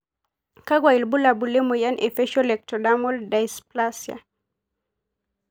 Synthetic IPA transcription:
ka˦ɡwa˨i˨lbu˦la˨bu˨lɛ˦mɔja˦nʔɛ˨fɛ˦ʃɔ˦lɛk̚tɔdamɔ˦ldajsplasja̰

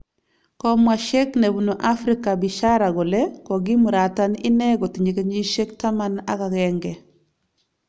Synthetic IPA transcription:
kɔ˦mwa˨ʃe˦kne˨bu˨no˨ʔa˦fɾi˦ka˨bi˨ʃa˦ɾa˨ɡo˨lɛ˦kɔ˨ɡɪ˦mu˨ɾa˨ta˦nɪ̰˦nɛ˦ɡɔ˨ti˨ɲe˨ke˦ɲi˦ʃe˦kta˦ma˦na˦ka˨ɡɛŋɡɛ˨

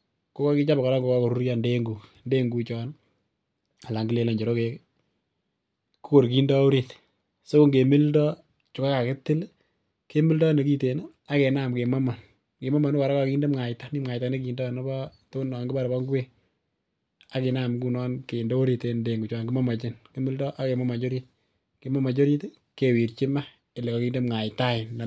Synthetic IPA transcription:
ko˦kɔ˦ki˦t͡ʃa˦ba˨ka˨ɾa˦ŋɡo˨kɔ˦ko˨ɾu˦ɾja˨nde˦ŋɡu˨nde˦ŋɡu˨t͡ʃɔ˨n | a˨la˨ŋɡi˦le˨le˨ɲd͡ʒe˨ɾo˦ke˨k | ku˦ko˨ɾki˦ndɔ˦o˦ɾi˨t | so˦kʊ˦ŋɡe˨mi˦ldɔ˦ | t͡ʃʊ˨ka˦ka˨kɪ˦tɪ˦l | ke˦mi˦ldɔ˦ne˨ki˦te˨n | a˦ke˨na˦˨mke˨ma˦ma˨n | ke˨ma˦ma˨nʊ˦wa˨ɾa˦kɔ˨kiː˦nde˦mŋa˨jta˦ni˦mŋa˨jta˨˦ne˦kiː˨ndɔ˦˨nɔ˦bɔ˦to˦nɔ˨ŋɡɪ˦ba˦ɾbɔ˦ŋɡwe˦ | a˦ke˨na˦mku˦nɔ˦nke˨ndɔ˦o˦ɾi˨te˨˧nde˨ŋɡu˨t͡ʃwa˨ŋɡɪ˦ma˦ma˨t͡ʃɪ˦nke˦mi˦ldɔ˦ʔa˦ke˨mɔ˦ma˨t͡ʃo˦ɾi˦t̚ | ke˨ma˦ma˨t͡ʃo˦ɾi˦t | ke˨wi˨ɾt͡ʃɪ˦ma˦ | ɪ˨le˨kɔ˨ki˦nde˦mŋa˨jta˦ɪ˨

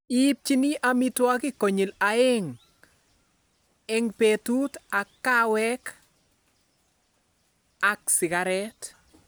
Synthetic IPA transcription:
ip̚t͡ʃi˦ni˦ʔa˦mi˦twa˦kɪ˦ko˨ɲi˨la˨e˦ŋ | ɛ˦ŋpetu˦ta˨kːa˦wɛ˦k | a˨ksɪ˨ɡaɾɛ˦t

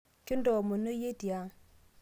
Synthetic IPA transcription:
ki˦ndo˨mo˨no˦je˦di˨ja˦

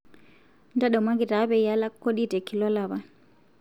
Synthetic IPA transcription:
nda˦ɗɔ˨mwa˦ŋɡi˨ta˨˦βɛ˨ja˦la˦kːo˦ɗi˦tɛ˨ki˨lɔ˦la˨βa˨

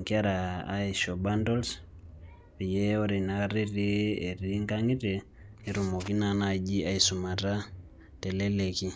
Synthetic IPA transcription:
ŋkia˦ɾaː˦iʃɔ˨ba˦ndo˦ls | pi˨je˦o˦ɾe˨na˨ka˦ɾi˦ɾi˦e˨ɾi˦ŋka˦ŋi˦ɾe˨ | ni˨ɾu˨mo˨ki˦na˨naɟi˦a˦isu˨ma˨ta˦ | tɛ˨lɛ˦le˨ki˦

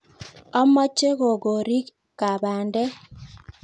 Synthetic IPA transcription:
ɔ˦mɔ˦t͡ʃːe˦ɣo˨ɡo˨ɾi˦k | kːa˨βa˨ndɛ˦

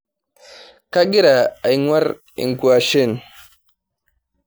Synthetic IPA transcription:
ka˦ɡi˦ɾa˨a˨jŋwa˦ɾ | ḭ˨ŋ˨ku˨a˨ʃe˦˨n

